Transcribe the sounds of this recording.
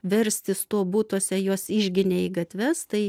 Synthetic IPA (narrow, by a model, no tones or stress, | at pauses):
ʋʲɛɾʲsʲt̪ʲɪst̪oːbuːt̪oːsʲɛjoːsɪʒʲɡʲɪnʲeiɡɐt̪ʲʋʲɛst̪ɐɪ